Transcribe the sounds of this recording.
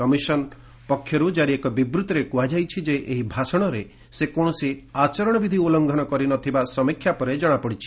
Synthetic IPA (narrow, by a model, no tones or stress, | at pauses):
kɔmisɔnɔ | pɔkʰːjɔɾud͡ʒaɾiekɔbibɾut̪ɔɾekuɦad͡ʒajt͡ʃʰid͡ʒeʔeɦibʱasɔɽ̃ɔɾe | sekoɽ̃ɔsiat͡ʃɔɾɔɽ̃ɔbid̪ʱiolɔŋɡʱɔnɔkɔɾinɔt̪ʰibasɔmikʰːjapɔɾed͡ʒɔɽ̃apɔɽit͡ʃʰi̥